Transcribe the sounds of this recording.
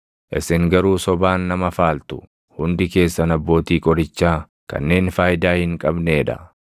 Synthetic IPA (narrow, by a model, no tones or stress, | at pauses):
ʔɪ̰sɪŋɡɐɾuːsɔbaːnːɐmɐfaːlt̪ʊ̥ | hʊnd̪ɪke̞ːsːɐnɐbːo̞ːt̪iːkʼɔɾɪt͡ʃːaː | kɐ̰nːe̞ːnfaːjd̪aːhɪŋkʼɐbne̞ːᶑɐ̰